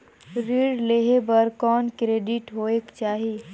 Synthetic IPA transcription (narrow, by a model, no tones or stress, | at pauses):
ɾiːɖleɦebɐɾkɔːnkɾeːɖɪʈɦoːekt͡ʃaːɦii